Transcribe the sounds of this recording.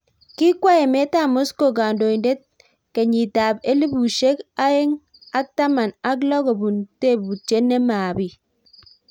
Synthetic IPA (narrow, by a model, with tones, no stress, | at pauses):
ki˦kwa˦e˨me˦ta˦˨mo˦sko˨ka˨ndo˨i˨nde˦t̚ | ke˨ɲi˨ta˨be˦li˦bu˨ʃe˦ka˦e˦ŋ | a˦k̚ta˦ma˨na˦klɔ˦ko˨bu˨nte˦˨bu˨t͡ʃe˦ne˦ma˨bi˨